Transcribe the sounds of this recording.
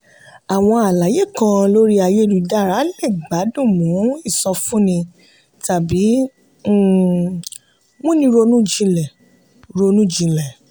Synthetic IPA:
a˨w̃ɔ̃˧a˨la˨˦je˦˨kã˧lo˦ɾi˦a˧˨je˦˨ɾu˨da˦˨ɾa˨˦le˦˨ɡ͡ba˨˦dũ˦˨mũ˨˦i˦˨sɔ̃˧fũ˦nĩ˧ | ta˨bi˨˦˨ | mũ˦nĩ˧ɾo˧nũ˦d͡ʒĩ˧lɛ˨ | ɾo˧nũ˦d͡ʒĩ˧lɛ˨

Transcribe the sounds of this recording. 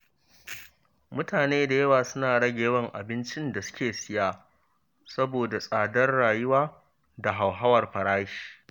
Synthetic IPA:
mʊ˦taː˨neː˦da˨jɐ˦waː˨sʊ˦naː˨ɽɐ˦ɡʲeː˨˦wɐ˦ŋʔa̰˨bɪ˦nt͡ʃɪ˦nda˨sʊ̥˦kʲeː˨sɪ˦jaː˦ | sɐ˦boː˨da˨sʼaː˨dɐ˦rɽaː˨jʊ˦waː˦ | da˨ɦa˨wɦa˦wɐ˨rɸɐ˨ɽaː˦ʃi̥ː˨

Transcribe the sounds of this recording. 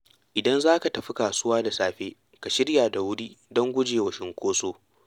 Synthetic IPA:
ʔɪ˨dɐ˦nzaː˦ka˨tɐ˨ɸi˦kaː˨sʊ˦waː˦da˨saː˨ɸeː˦ | ka˨ʃɪ˦ɽjaː˨da˨wʊ˦ɽi˦dɔ˦ŋɡʷʊ˦d͡ʒeː˨wɐ˨ʃɪ˨ŋkʷoː˦soː˦

